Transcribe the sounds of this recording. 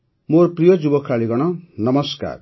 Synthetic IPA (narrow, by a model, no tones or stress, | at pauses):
morprijʌd͡zubʌkʰɾaliɡʌɽ̃ʌnʌmʌska̰r